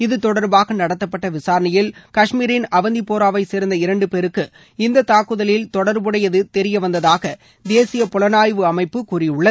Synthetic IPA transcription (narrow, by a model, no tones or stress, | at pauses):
ɪðɯt̪ɔɽɐɾbaːɣɐnɐɽɐt̪ːɐpːɐʈːɐʋɪsaːɾɐnɪjɪlkɐʂmiːɾɪnɐʋɐnd̪ipoːɾaːʋɐɪseːɾnd̪ɐɪɾɐɳɖɯpeːɾɯkːɯ | ɪnd̪ɐt̪aːkːɯðɐlɪlt̪ɔɽɐɾbɯɽɐjɐðɯt̪ɛɾɪjɐʋɐnd̪ɐðaːɣɐ | d̪eːsɪjɐpɔlɐnaːjʋɯɐmɐɪpːɯkuːrɪjʊɭːɐ